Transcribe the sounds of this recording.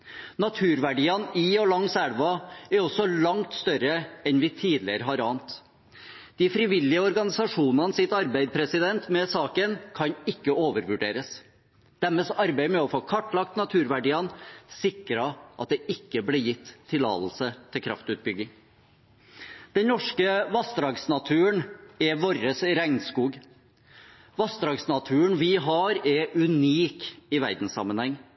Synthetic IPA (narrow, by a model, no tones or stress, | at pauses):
nɑt̪ʰʉːɾʋæɖiːɑniɔlɑŋsæɽʋɑæɾɔsɔlɑŋt̪st̪œɾəɛnʋɪt̪ʰiːd̪lɪəɾəɦɑɾɑːnt̪ | d̪̥ɪfɾɪʋɪlːɪəɔɾɡɑnɪsɑʂuːnɑnsɪt̪ɑɾbæɪd̪pʰɾɛsɪd̪ɛnt̪mɛsɑːkənkʰɑnɪkːəoːʋəɾʋʉɖeːɾəs | d̪̥æɾmɛsɑɾbæɪmɛɔfoːkʰɑʈːlɑk̚t̪nɑt̪ʰʉːɾʋæɖiːənsɪkɾɑʔɑ̰t̪̚d̪ɛʔɪkːəblɪːɾjɪt̪ʰːɪlɑ̰ːt̪l̩sət̪ʰɪlkʰɾɑ̰ft̪ʉːt̪̚bʏɡɪŋ | d̪̥ɛnnɔʂkəʋɑst̪ɾɑːɡsnɑt̪ʰʉːəɳɛʋoɾəsɾæŋnskuːɡ | ʋɑst̪ɾɑːɡsnɑt̪ʰʉːəɳʋɪɦɑːɾɛʔʉniːkɪʋæ̰ɾd̪n̩sɑ̰mənhɛŋː